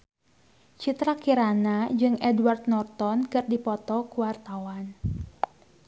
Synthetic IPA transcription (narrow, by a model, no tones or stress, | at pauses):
t͡ʃit̪ɾakiɾanad͡ʒɨŋɛdwart̪̚nɔrt̪ɔnkɨrdipɔt̪ɔkuwart̪awan